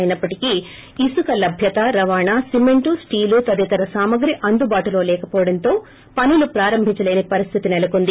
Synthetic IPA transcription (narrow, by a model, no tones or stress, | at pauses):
jnɐpːɐʈikiː | sukɐlɐbʱjɐt̪ɐɾɐʋaːɳaːsimeɳʈusʈiːlut̪ɐd̪ɛt̪ɐɾɐsaːmɐɡɾiʔɐnd̪ubaːʈulo̞ːlɛːkɐpɔːʋɐɽɐnt̪o̞ː | pɐnulupɾaːɾɐmbʱiɲt͡ʃɐle̞ːnepɐɾist̪ʰit̪inɛlɐkond̪i